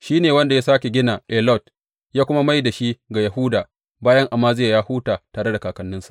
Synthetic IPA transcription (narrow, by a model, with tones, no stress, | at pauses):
ʃiː˦neː˨wɐ˦nda˨jaː˦saː˦kʲe˨ɡʲɪ˦naː˨ʔɛ˨lɔ˦˨t | jaː˦kʷʊ˦ma˦ma˦jda˨ʃi˦ɡa˨jɐ˨ɦʊː˦daː˨ | baː˦jɐ˦ŋʔa˨mːaː˦zɪ˦jaː˨jaː˦huː˦taː˨taː˨ɾe˦da˨kaː˨kɐ˨˦nːɪ˦sḁ˨ʔ